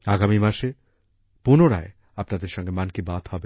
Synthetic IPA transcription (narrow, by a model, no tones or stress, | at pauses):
aɡamimaʃe | punoɾae | apnad̪eɾʃɔŋɡemankibad̪hɔbe